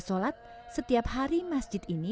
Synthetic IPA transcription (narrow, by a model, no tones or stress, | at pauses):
solat̪̚ | sət̪iap̚haɾimasd͡ʒɪt̪ini